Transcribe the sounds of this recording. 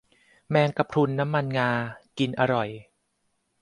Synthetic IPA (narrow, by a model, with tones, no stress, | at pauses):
mɛː˧ŋka˨˧˩p̚kʰu˧nːa˦˥mːa˧nŋaː˧ki˧nʔa˧ɾɔ˨˩j